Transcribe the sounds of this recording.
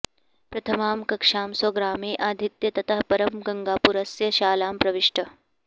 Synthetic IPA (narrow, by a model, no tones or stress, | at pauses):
pɾɐt̪ʰɐmaːmkɐkʂaːmsɐɡɾaːmiːʔaːd̪ʱit̪jɐt̪ɐt̪ʰaɦpɐɾɐmɡɐŋɡaːpuɾɐsjɐʃaːlaːmpɾɐʋiʂʈʰɐ